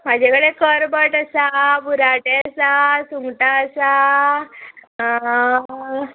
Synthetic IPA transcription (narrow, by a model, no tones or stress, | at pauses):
mad͡ʑʱekəɽekəɾbəʈəsabʱuɾaʈeəsasuŋɡʈaəsa | ɦã